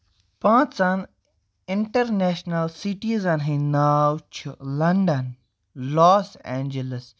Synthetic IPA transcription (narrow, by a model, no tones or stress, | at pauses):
pãːt͡ʃɐn | ɪ̃ɳʈəɾneːʃnɐlsiʈizɐnɦĩnaːwt͡ʃʰulɐɳɖən | lɔːsɛ̃ːnd͡ʒələs